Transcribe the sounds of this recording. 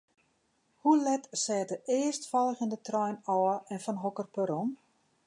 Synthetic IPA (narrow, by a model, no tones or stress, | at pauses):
hulɛtsɛːtəʔɪəstfɔlˠəxɪndətrɔjnɔːɛnfɔnɦokərpøɾom